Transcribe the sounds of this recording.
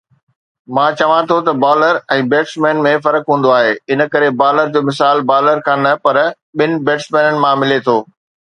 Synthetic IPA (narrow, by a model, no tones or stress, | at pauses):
mãːt͡ɕɐʋãt̪ʰot̪ɐbaːləɾɛ̃ːbeːʈsmɛ̃ːnmẽfɐɾəkɦũːn̆d̪oaːɦeːɪnə̆kɐɾebaːləɾd͡ʑoːmɪs̬aːlbaːləɾkʰãːnɐpɐɾ | ɓɪnɪ̆beːʈsmɛ̃ːnənɪ̆mãmɪlet̪ʰoː